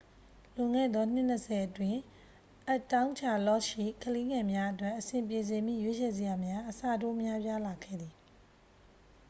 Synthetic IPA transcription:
lʊ̃˨ŋɛ̰˦˨d̪ðɔ˦n̥ɪ˦˨n̥ə˨sʰɛ˨ʔətwɪ̃˨ | ʔə˦tːã˦ʊ̃ɲt͡ɕʰa˦˨lɔ˦˨ʃḭ˦˨kʰəle˦ŋɛ̃˨mja˦ʔətwɛ˦ʔəsɪ̃˨mp̬je˨z̬ɪ̃˨mḭ˦˨jwe˦t͡ɕʰɛ˨zə˨ja˨mja˦ʔəsa̰˦˨do̰˦˨ʔmja˦pja˦la˨ɡʰɛ̰˦˨d̪ði˨

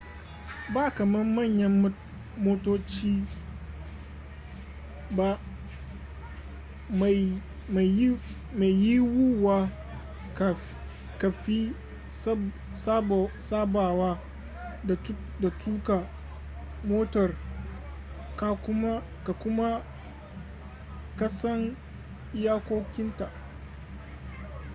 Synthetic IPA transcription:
baː˦kɐ˨mɐ˦mɐ˦˨ɲjɐ˦m˦ | moː˦toː˦t͡ʃiː˦ | ba˦ | m˨ | ma˨˦ | ma˨jji˦wu˦wa˦˨ | ka˨fi˦ | sa˦˨saː˦baː˨waː˦ | da˨˦ | da˨tʰuː˦ka˨ | moː˦tɐ˨r | ka˨kʊ˦m˦ | ka˨kʊ˦ma˦ | kɐ˦sɐ˦ŋ | jaː˦kʷoː˦kʲɪ˦nta˨ʔ

